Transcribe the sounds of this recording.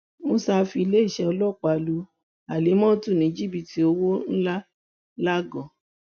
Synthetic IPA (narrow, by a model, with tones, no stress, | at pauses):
mo˧sa˧fi˧le˦i˦˨ʃɛ˧ɔ˧lɔ˦˨k͡pa˨lu˨˧˦ | a˨le˨˦mɔ̃˦tu˦˨nĩ˨˦d͡ʒi˦˨bi˨ti˨o˧wo˦n̩˦la˦ | la˦ɡɔ̃˨